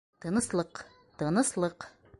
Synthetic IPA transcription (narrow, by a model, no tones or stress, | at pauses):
t̪ɤ̆nɤ̆slˠɤq | t̪ɤ̆nɤ̆slˠɤq